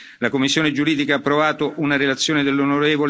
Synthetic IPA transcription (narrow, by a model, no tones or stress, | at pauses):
lakomːisːjoːned͡ʒuɾiːd̪ikaːpːɾovaːt̪oʔunaɾelat̪sːjoːned̪elːonoɾeːvol